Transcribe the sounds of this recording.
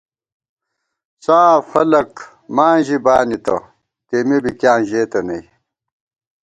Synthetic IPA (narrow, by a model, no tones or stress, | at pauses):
saːfɐlɐk | maːʑibaːnit̪ɐ̰ | t̪eːmebikjãːʑeːt̪ɐnɐi